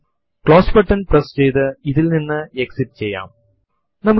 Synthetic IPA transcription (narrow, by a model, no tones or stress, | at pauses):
kɭoːspɐʈːɐnprɐst͡ɕejt̪ɨiðilninːɨeksiʈːt͡ɕejːa̰ːm | nɐmːu